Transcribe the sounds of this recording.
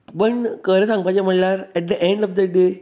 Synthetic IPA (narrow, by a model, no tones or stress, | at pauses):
bənkəɾesãŋɡ̚pat͡ɕem̤əɳlaɾɛʈ̚d̪əʔẽɳɖɔfd̪əɖe